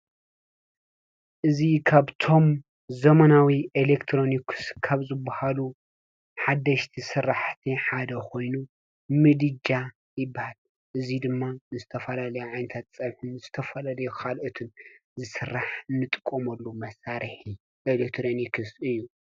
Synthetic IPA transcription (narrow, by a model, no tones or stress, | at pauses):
ʔɨzikʰaβt̪ʰo̞m | zɐmɐnawiʔelekt̪ʰɾo̞nikʰɨ̥skʰaβzɨbːahalu | ħad̪ːɐʃt̪ʰisɨrːaħt̪ʰiħad̪ɐkʰo̞jnu | mɨd̪ɨd͡ʒa | jɪbːahal | ʔɨzid̪ɨmːazɨt̪ʰɐfɐlalɐjuʕajnɐt̪ʰat̪t͡sʼɐβħunzɨt̪ʰɐfɐlalɐjuxalʔot̪ʰɨnzɨsɨrːaħnːɨt̪ʼɨkʼːomɐlːumɐsaɾiħi | ʔelekt̪ʰɾo̞nikʰɨsɨjːu